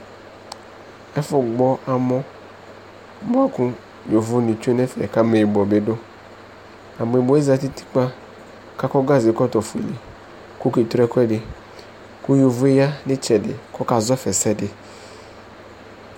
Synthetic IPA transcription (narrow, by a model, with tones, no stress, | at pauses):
ɛ˦fʊ˨ɡ͡bɔ˦ʔa˨mɔ̃˦ | bʊ˦a˦kʊ˦ | jo˨vʊ˦ni˨t͡ʃu˦e˦nɛ˦fɛ̰˨ka˦me˨bɔ˨be˨dʊ˦ | a˨m˨e˨bɔ˦e˦za˨ti˦ti̥˦k͡pa˦ | ka˦kɔ˦ɡa˦zɪ˨kɔ˦t̪ɔ˨fḛ˨li˨ | ku˦ke˨t̪ɾɛ˦kʷɛ˦dɪ˨ | ku˦jo˨vʊ˦e˦ja˦nɪ˦t͡ʃɛ˨dɪ̰˨kɔ˦ka˨zɔ˦fɛ˨sɛ˦dɪ˨